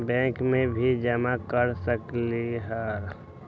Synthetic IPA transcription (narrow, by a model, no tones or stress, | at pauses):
bɛ̃ːŋkmẽbʱid͡ʒəmakəɾsəkliɦəɾ